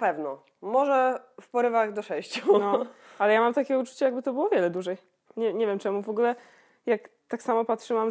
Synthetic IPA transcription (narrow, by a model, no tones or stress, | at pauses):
pɛvnɔ | mɔʐɛfpɔɾɘvaɣd̪ɔʂɛjɕt͡ɕunɔalɛjamamt̪akʲɛut͡ʂu̥t͡ɕajaɡbɘt̪ɔbɘwɔvʲjɛlɛd̪uʐɛj | ɲɛɲevʲjɛmt͡ʂɛmuvɔɡulɛ | jak | t̪aksamɔpat̪ʂɘmam